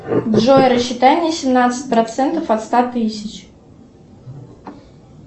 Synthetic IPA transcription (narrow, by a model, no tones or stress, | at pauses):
dʐojəɾəɕːɪt̪anʲɪjəsʲɪmnat̪sɨ̥t̚ʲpɾɐt̪sɛnt̪əfɐt̪st̪at̪ɨsʲɪt͡ɕ